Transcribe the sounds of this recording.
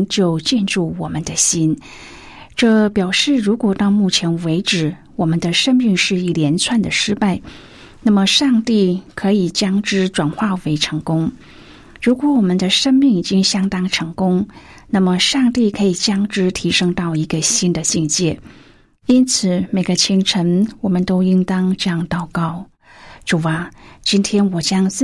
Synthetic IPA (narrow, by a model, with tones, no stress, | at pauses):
t͡ɕjo˥˧ʊt͡ɕjɛ˥˧nʈ͡ʂu˥˩wɔ˨˩mə˦nd̪ə˧ɕi˥n | ʈ͡ʂɤ˥˩pjɑ˨˩ʊʂɻ̩˥˩ɻu˧˥kwɔ˨˩t̪ɑ˥˧ʊmu˥˩t͡ɕʰjɛ˧˥nwe˧˥ɪʈ͡ʂɻ̩˨˩ | wɔ˨˩mə˦nd̪ə˧ʂə˥ŋmi˥˧ŋʂɻ̩˥˧i˥˩ljɛ˧˥nt͡sʰwa˥˩nd̪ə˩ʂɻ̩˥pa˥˩ɪ | na˥˩mə˩ʂɑ˥˧ŋt̪i˥˩kʰɤ˧˥i˨˩t͡ɕjɑ˥ŋʈ͡ʂɻ̩˥ʈ͡ʂwa˨˩nxwa˥˩we˧˥ɪʈ͡ʂʰɤ˧˥ŋkʊ˥ŋ | ɻu˧˥kwɔ˧˥wɔ˨˩mə˧˦nd̪ə˧ʂə˥ŋmi˥˩ŋi˨˩t͡ɕi˥ŋɕjɑ˥ŋt̪ɑ˥ŋʈ͡ʂʰɤ˧˥ŋkʊ˥ŋ | na˥˩mə˨ʂɑ˥˧ŋt̪i˥˩kʰɤ˧˥i˨˩t͡ɕjɑ˥ŋʈ͡ʂɻ̩˥t̪ʰi˧˥ʂɤ˥ŋt̪ɑ˥˩ʊi˧˥ɡə˧ɕi˥nd̪ə˨ɕi˥˧ŋt͡ɕjɛ˥˩ | i˥nt͡sʰɹ̩˨˩˦me˨˩ɪɡə˦t͡ɕʰi˧˥ŋʈ͡ʂʰə˧˥nwɔ˨˩mə˦nt̪o˥ʊi˥ŋt̪ɑ˥ŋʈ͡ʂɤ˥˧jɑ˥˩ŋt̪ɑ˨˩ʊkɑ˥˩ʊ | ʈ͡ʂu˨˩a˧˩t͡ɕi˥nt̪ʰjɛ˥nwɔ˨˩t͡ɕjɑ˥ŋt͡s